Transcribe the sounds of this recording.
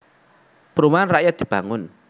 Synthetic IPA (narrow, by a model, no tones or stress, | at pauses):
pəɾumanraʔjat̪̚d̪̥i̤b̥a̤ŋʊn